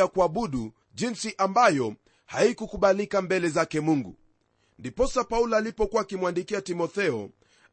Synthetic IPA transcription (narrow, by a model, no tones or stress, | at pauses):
akuaɓuɗu | ʄinsiʔambajɔ | haikukuɓalikambɛlɛzakɛmuŋɡṵ | ndipɔsapaulalipɔkuwaːkimwandikiatimɔθɛɔ̰